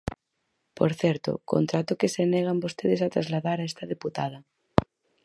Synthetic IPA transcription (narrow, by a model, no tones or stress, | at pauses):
po̰ɾθjeɾt̪o̰ko̰nt̪ɾat̪okeseneɣ̞ambost̪eðesat̪ɾazlaðaɾaest̪aðeput̪aða